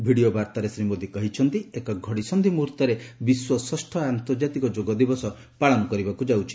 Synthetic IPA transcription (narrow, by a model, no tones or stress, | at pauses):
bʱiɽiobaɾt̪aɾesɾimod̪ikɔɦit͡ʃʰɔnt̪iekɔɡʱɔɽisɔnd̪ʱimuɾt̪ɔɾebiswɔsɔsʈʰɔant̪ɔɾd͡ʒat̪ikɔd͡ʒoɡɔd̪ibɔsɔ | paɭɔnɔkɔɾibakud͡ʒawt͡ʃʰi̥